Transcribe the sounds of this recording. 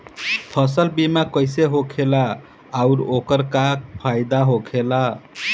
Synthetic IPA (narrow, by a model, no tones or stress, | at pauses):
pʰʌsəlbimakəjseɦokʰelaː | ʊɾokəɾkak̚pʰajd̪aɦokʰela